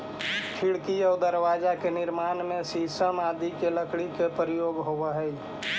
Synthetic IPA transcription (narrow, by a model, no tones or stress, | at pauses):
ʈʰɪɽkiɔːd̪əɾwaːd͡ʒakenɪɾmaːnmẽsiːsəmaːd̪ikeləkɽikepɾɪjoːɡɦoʋeɦɛi